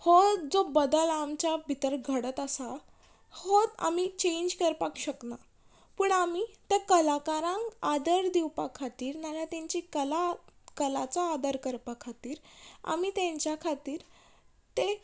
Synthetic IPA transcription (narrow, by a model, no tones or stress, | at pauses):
hot̪d͡zobəd̪əlamt͡ɕabʱit̪əɾɡʱəɽət̪əsa | hot̪a̰mit͡ɕẽɲd͡ʑkəɾpakɕəkna | puɳamit̪ekəlakaɾãŋad̪əɾd̪iwpakʰːat̪iːɾnalat̪ãɲt͡ɕikəlakəlat͡saːd̪əɾkəɾpakʰːat̪iːɾa̰miːt̪ãɲt͡ɕjakʰat̪iːɾ | t̪e